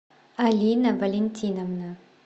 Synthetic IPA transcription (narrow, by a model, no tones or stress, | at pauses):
ɐlʲinɐvɐlʲenʲt̪ʲʰiːnɐmnɐ